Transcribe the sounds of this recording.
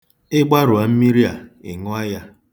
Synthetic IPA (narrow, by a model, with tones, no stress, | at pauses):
ɪ˦ɡ͡ba˦ɾʊ˨a˨m̩˦mi˦ɾi˦a̰˨ɪ̰˨ŋɔ˦a˦ja˦